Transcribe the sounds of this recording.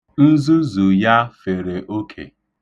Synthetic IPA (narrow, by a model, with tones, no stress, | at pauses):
n̩˦zu˦zu˨ja˦fe˨ɾe˨ʔo˦kʰḛ˨